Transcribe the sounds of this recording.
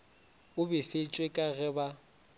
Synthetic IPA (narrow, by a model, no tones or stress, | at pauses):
ʊbɪfet͡ʃʼwekʼaɣɛba